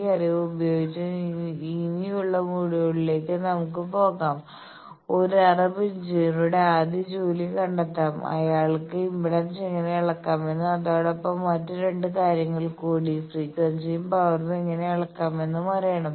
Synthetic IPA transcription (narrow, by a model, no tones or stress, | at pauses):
ɐriʋubɐjoːɡit͡ɕːɐiːnijuɭːɐmuːɽijoɭileːkːɨnɐmuk̬ːɨpo̞ːɣaːm | o̞ɾuɐrɐbiɲd͡ʑiruɽeaːd̪jɐd͡ʑuːlikɐɳɖɐt̪ːaːmɐ̰jaːɭkːɨimbɭɐnse̞ŋːɐne̞ɐɭɐkːaːme̞nːɨɐðoːɽo̞pːɐmːɐtːɨɾe̞ɳɖɨkaːɾjɐŋːɐɭkuːɽisriːkːɐnsijumpɐʋɐrnɐeŋːɐne̞ɐɭɐkːaːme̞nːɨmɐriejɐɳɐm